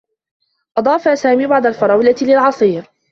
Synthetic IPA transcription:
ʔɑd̪ˤɑːfaːsaːmiːbaʕd̪ˤalfɑɾˤɑwlat̪lɪlʕɑsˤiːɾ

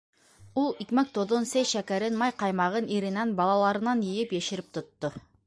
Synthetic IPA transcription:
ulˠikmæk̚t̪ʰod̪onsejʃækʲæɾɪnmɑjqɑjmɑʁɤniɾɪnænbɑlˠɑlˠɑɾɯ̆nɑnjijɪpjeʃɪɾɪp̚t̪ʰʊ̆t̪ːʊ

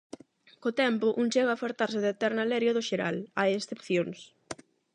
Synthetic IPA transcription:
kot̪ɛmpʊʔuŋt͡ʃeɣafaɾt̪aɾsɪðet̪ɛɾnalɛɾjoðʊʃeɾa̰lajesθepθjoŋs

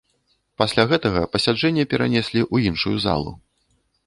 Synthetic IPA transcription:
pasʲlʲaɣɛt̪ɐɣɐpɐsʲad͡ʐɛnʲːɐpʲɛɾa̰nʲɛsʲlʲiʔuinʂujuza̰lˠṵ

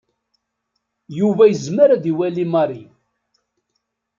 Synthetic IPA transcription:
juvæjəzməɾæðiwælimɑɾi

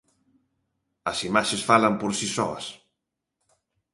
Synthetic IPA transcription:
ɐsimaʃesfalɐmpoɾsisɔ̰ɐ̰s

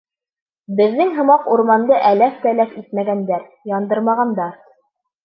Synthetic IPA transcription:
bɘ̆ðːɘŋɦɤ̆mɑquɾmɑnd̪ɤʔælæft̪ælæfit̪mæɡænd̪æɾ | jɑnd̪ɤɾmɑʁɑnd̪ɑɾ

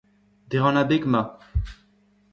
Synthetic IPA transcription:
d̪eʁɑ̃nabeɡma

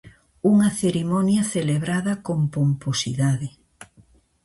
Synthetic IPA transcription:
uŋɐθeɾimɔnjɐθeleβɾaðɐkompomposḭðaðɪ

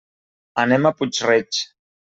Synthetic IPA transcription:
anemaput͡ʃret͡ʃ

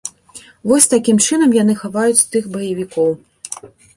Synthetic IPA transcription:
vɔsʲt̪akʲimt͡ʂɨnɐmjan̪ɨxavajut͡sʲst̪ɨxbɐjɐvʲikɔw

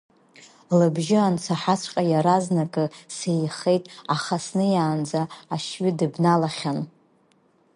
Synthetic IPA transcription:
lɨbʒɪant͡sʰaħat͡ʃʷʰʼqʲʼajaɾaznakʼɨsejχe̞jtʼaχasnɨjaːnd͡zaːʃɥɪdɨbnalaχʲan

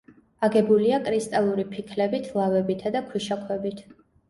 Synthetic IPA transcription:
aɡɛbuliakʼɾist̪ʼalˠuɾipʰikʰlɛbit̪ʰlˠavɛbit̪ʰad̪akʰwiʃakʰwɛbit̪ʰ

